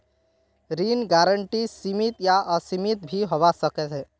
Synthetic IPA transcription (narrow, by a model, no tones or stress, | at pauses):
ɾinɡaːɾəɳʈisimit̪jaʔəsimit̪̚bʱiɦoʋasəkɛtʰɛ